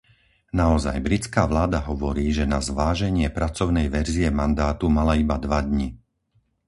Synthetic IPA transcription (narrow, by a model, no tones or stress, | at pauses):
naɔza̰jbɾit͡skaːʋlaːd̪aɦɔʋɔɾiːʒɛnazʋaːʒɛɲɪɛpɾat͡sɔʊnɛjʋɛɾziɛmand̪aːt̪umalaibad̪ʋad̪ɲi